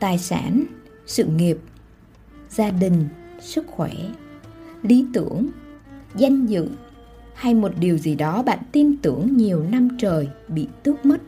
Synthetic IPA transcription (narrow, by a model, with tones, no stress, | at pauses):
t̪aː˨˩jsa̰ː˧˩n | sɨ̰˧˨ŋi˨˩əp̚ | zaː˧ɗï˨˩ŋ̟sɨ˦˥k̚xwɛ˧˩ | li˨˦t̪ɨ˧˩əŋza˧jŋ̟zɨ̰˧˨ | ha˧jmo˨˩t̚ɗi˨˩əwzi˨˩ɗɔ˨˦ɓa̰ː˧˨nt̪i˧nt̪ɨ˧˩əŋɲi˨˩əwna˧mt͡ɕəː˨˩jɓḭ˧˨t̪ɨ˦˥ək̚mə˦˥t̚